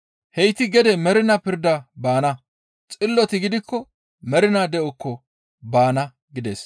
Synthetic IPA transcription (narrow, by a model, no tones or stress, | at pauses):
hɛjt̪ɪɡɛd̪ɛmɛɾɪnɐpɪɾd̪ɐbaːnɐ | t͡sʼɪlːɔt̪ɪɡɪd̪ɪkːɔ | mɛɾɪnɐd̪ɛʔɔkʰːɔ | baːnɐ | ɡɪd̪ḛːs